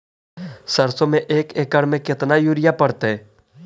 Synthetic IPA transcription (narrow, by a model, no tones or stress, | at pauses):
səɾsõmẽʔeːkeːkəɽmẽkɪt̪najuːɾɪjapəɽt̪eɦɛː